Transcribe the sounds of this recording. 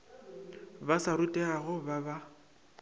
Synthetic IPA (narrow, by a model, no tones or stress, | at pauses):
basaɾutʼɛaɣʊbaba